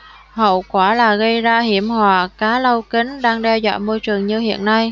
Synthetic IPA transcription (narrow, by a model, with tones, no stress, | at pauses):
hə̰˧˨wkwaː˧˩laː˨˩ɣə˧jzaː˧hi˧˩əmhwaː˨˩kaː˨˦lə˧wki˨˦ŋ̟ɗaː˧ŋɗɛ˧za̰ː˧˨jmo˧jt͡ɕɨ˨˩əŋɲɨ˧hḭ˧˨ənːa˧j